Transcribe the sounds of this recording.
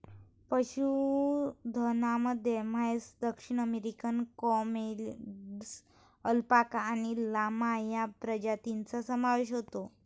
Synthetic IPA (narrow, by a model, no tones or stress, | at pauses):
pəɕu | d̪ʱənaməd̪ʱjemajsd̪əkʂiɳ̃əmeɾikənkɔmels | əlpakañilamajapɾəd͡ʑat̪int͡sasəmaʋeɕɦot̪o